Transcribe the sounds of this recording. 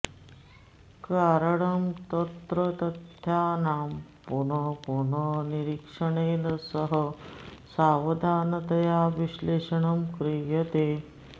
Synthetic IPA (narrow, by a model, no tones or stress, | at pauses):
kaːɾəɳɐmt̪ɐt̪ɾət̪ɐt̪jaːnaːmpuɳɐpuɳəniɾikʂəɳeːnɐsəɦəsaːʋɐd̪ʱaːnɐt̪ɐjaʋiɕleːʂəɳɐmkɾijɐt̪eː